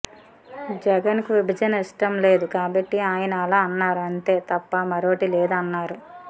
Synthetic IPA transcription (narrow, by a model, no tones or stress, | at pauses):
d͡ʒɛɡɐnkiʋibʱɐd͡ʒɐnɐiʂʈɐmle̞ːd̪ukaːbɐʈːiaːjɐnɐɐlaːɐnːaːɾuɐnt̪e̞ːt̪ɐpːɐmɐɾoːɐʈileːd̪aɐnːaːɾu